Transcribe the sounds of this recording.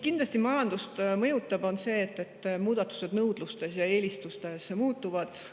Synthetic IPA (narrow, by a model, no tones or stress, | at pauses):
kind̪lɑsʲt̪imɑjɑnd̪̥ust̪mɤjut̪ːˑɑbo̞nse̞ːt̪ːˑe̞t̪ːmuːd̪̥ɑt̪ːˑu̥se̞d̪nɤwd̪̥lust̪e̞sjɑe̞ːlist̪ust̪e̞smuːt̪ːˑuvɑd̪̥